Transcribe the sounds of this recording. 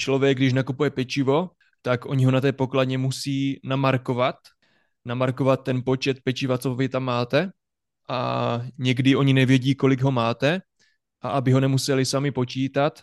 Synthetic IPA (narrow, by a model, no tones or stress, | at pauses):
t͡ʃlo̞vjɛɡ̚dɪʃnakupujɛpɛt͡ʃɪvo̞ | t̪akʔo̞ɲɪɦo̞nat̪ɛːpo̞kladɲɛmusiːnamaɾko̞vat̪ | namaɾko̞vat̪̚ːɛnpo̞t͡ʃɛt̪̚pɛt͡ʃɪvat͡sovɪt̪amːaːt̪ɛ | ʔa̰ɲɛɡdɪʔo̞ɲinɛvjɛɟiːko̞lɪɡɦo̞maːt̪ɛ | ʔaʔabɪɦo̞nɛmusɛlɪsamɪpo̞t͡ʃiːt̪at̪